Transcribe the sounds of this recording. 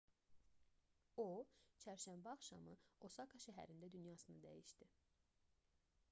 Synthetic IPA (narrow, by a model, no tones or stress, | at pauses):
ot͡ʃʰæɾʃæmbæɑχʃɑ̰mɯosɑkʰɑʃæɦæ̰ɾind̪æd̪ynjɑsɯnɯd̪æ̰jiʃd̪i